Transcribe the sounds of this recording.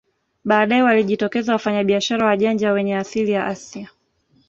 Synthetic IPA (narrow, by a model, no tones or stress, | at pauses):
ɓaːɗaɛwaliʄitɔkɛzawafaɲaɓiaʃaɾawaʄand͡ʒawɛɲɛasilijaʔasia